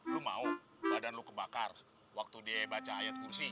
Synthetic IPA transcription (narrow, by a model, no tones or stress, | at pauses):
lumau | badanlukəbakar | wak̚t̪udiabat͡ʃaːjat̪̚kursi